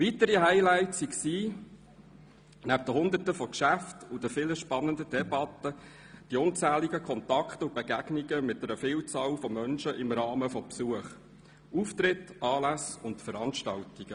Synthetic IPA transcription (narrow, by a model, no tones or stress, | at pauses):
vitəɾihaɪlæɪtsiksiː | næb̚d̥əɦʊnd̪ətəfɔkʃæftud̥əfɪləʃpɑnəndədɛbɑtːə | d̥iʊnt͡sæːliɡəkʰχɔntɑkχtʊb̥eɡæɡ̥niɡəmɪt̚dɛɾəfɪːlt͡sɑːlfɔmœnʃəʔɪmɾɑːməfɔpsuəχ | uft̪ɾɪtʔɑːlæsʊntfəɾɑnʃtɑltiɡ̥ə